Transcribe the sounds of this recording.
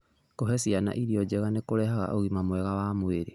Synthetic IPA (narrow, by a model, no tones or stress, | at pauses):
koɦɛsiana̰ʔiɾiɔd͡ʑɛɣanekoɾɛɦaɣa̰ʔoɣimamwɛɣawamweɾe